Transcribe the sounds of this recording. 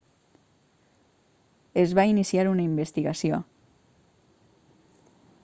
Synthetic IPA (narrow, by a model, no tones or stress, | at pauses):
ezβainisiaɾunaimbest̪iɣasio